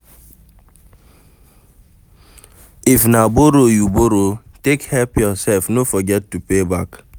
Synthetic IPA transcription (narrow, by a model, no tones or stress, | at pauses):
ifnaboɾojuboɾotekhɛlpjɔsɛlfnofɔɡɛtːupebak